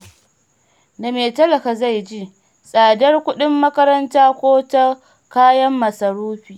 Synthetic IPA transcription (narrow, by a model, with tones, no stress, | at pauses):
da˨meː˨tɐ˦lɐ˨ka˨za˦˨jd͡ʒi˦ʔ | sʼaː˨dɐ˦rkʷʊ˦ɗɪ˦mːɐ˦kɐ˦ɾɐ˦ntaː˦kʷoː˦tɐ˦ | kaː˦jɐ˦mːɐ˨sɐ˨ɾuː˦ɸiː˨ʔ